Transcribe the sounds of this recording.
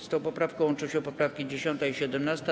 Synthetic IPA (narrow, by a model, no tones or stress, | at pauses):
st̪ɔ̃wpɔpɾafkɔ̃w̃nt͡ʂuɕɛpɔpɾafkʲid͡ʑeɕɔnt̪ɛiɕɛd̪ɛmnast̪a